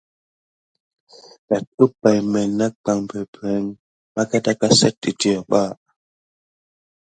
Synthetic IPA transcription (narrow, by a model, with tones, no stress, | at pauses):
ɗa˨t̚u˦p̚ːa˨jmɛ˨na˦k͡pa˨ŋpɛ˨pɛ˨˦ŋ | ma˦ka˦ta˦ka˦sɛ˦t̚ːi˨ti˦ɔ˨ɓa˦˨